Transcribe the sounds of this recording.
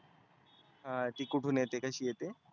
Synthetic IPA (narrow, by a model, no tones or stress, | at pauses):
hãt̪ikuʈʰunet̪ekɐʃiet̪e